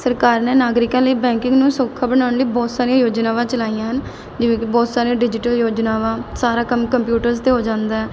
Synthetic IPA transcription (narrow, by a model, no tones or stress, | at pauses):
səɾkaːɾneːnaːɡɾɪkãːləiːbɛ̃ːŋkɪ̃ŋɡnũːsoːkʰːaːbəɽaːʊɳləiːbɔːt̪saːɾiãjoːd͡ʒnaːʋãːt͡ʃəlaːijãːɦən | d͡ʒɪʋẽːkbɔːt̪saːɾijãːɖɪd͡ʒɪʈəljoːd͡ʒnaːʋãːsaːɾaːkəmkəmpjuːʈəɾzt̪eːɦoːd͡ʒãːnd̪aːɛː